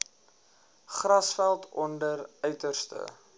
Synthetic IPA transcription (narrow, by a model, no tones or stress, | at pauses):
χrɐsfælˠtʰɔndərœɥtərstə̰